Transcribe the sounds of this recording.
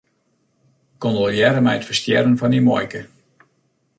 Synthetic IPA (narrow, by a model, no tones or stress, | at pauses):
kondoljɛɾəmɛjətfəstjɛɾənvɔnimɔ̰jkə